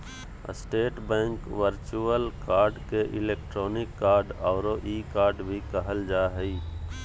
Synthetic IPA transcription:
sʈeːʈbɛ̃ːŋkʋəɾt͡ʃuəlkaːɾɖkeʔɪ̰leːk̚ʈɾoːnɪkːaːɾɖɔːɾoʔiːkaːɾɖbʱikəɦəld͡ʒaːɦəiː

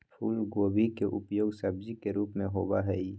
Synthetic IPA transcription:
pʰuːlɡoːbikeʔʊpjoːɡsɐb̚d͡ʒikeɾuːpmẽɦoːbaɦɛi

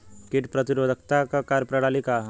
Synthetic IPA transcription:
kɪʈpɾɐt̪iɾoːd̪ʱək̚t̪akakaːɾpɾɐɽaːlika

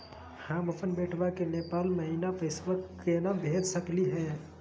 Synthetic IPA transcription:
hãːməpənbeːʈʰʋakeneːpaːlməɦinapəɪsʋəkenabʱeːd͡ʒ̪səkliɦɛː

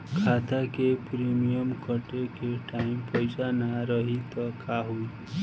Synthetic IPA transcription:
kʰat̪akepɾimijəmkəʈekeʈaimpʌjsanaɾʌɦit̪ʌkʰaɦui

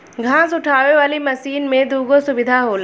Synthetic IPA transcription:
ɡʱãːsʊʈʰaːʋeʋaːlimɐsiːnmẽd̪uːɡosʊbɪd̪ʱaɦoːl

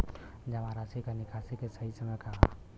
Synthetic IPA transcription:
d͡ʒɐmaɾasikanikʰasikesɐɦisɐmɛkaɦa̰

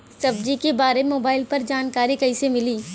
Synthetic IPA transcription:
sɐbd͡ʒikebaːɾeemoːbaːɪlpɐɾd͡ʒaːnkaːɾikɐisemɪliː

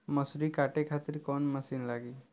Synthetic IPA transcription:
məsɾikaːʈekʰaːt̪ɪɾkɔːnmɐsiːnlaːɡiː

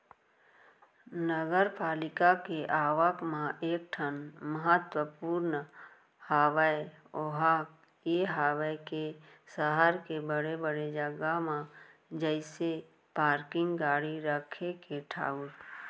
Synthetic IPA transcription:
nəɡəɾpaːlɪkakeʔaːʋəkmãʔeːk̚ʈʰənməɦət̪wəpuːɾn | haːʋae | oɦaːk̚ | jeːɦaːʋəke | səɦaɾkebəɽebəɽed͡ʒəɡamãd͡ʒəɪse | paːɾkɪ̃ŋɡɡaːɽiɾəkʰekeʈʰa̰ːʊɾ

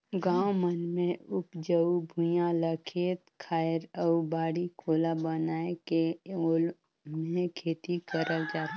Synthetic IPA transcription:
ɡãːwmənmẽʊpd͡ʒəubʱʊ̃jãləkʰeːt̪kʰaːɪɾəubaːɽikʰoːlabənaːekeoːl | mẽkʰeːt̪ikəɾəld͡ʒaːt̪a

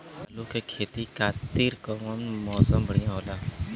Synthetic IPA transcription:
aːluːkekʰeːt̪ikaːt̪iɾkɔːmənmɔːsəmbʱəɽ̤ijãːɦoːlaː

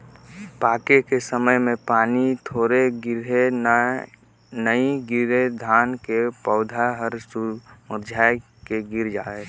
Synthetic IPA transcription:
paːkekesəməjmẽpaːnit̪ʰoːɾeɡɾe | nəiɡɪɾed̪ʱaːnkepəʊd̪ʱaɦəɾsumʊɾd͡ʒʱaj | keɡɪɾd͡ʒaːe

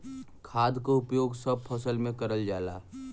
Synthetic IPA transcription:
kʰaːd̪koʊpjoːɡsəb̚pʰəsəlmẽkəɾəld͡ʒaːla̰ː

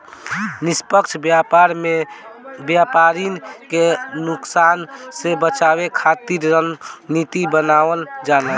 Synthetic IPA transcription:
nispəkt͡ʃʰbjaɾebjapaɾinkenuksansebət͡ʃabekʰat̪iɾənit̪ibənawəld͡ʒalə

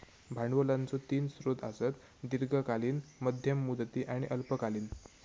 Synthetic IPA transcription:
bʱaɳʋəlant͡sot̪iːnsɾod̪a̰sət̪ | d̪iɾɡəkaliːnməd̪ʱjəmːud̪t̪iːʔaɽ̃iʔəlpəkaliːn

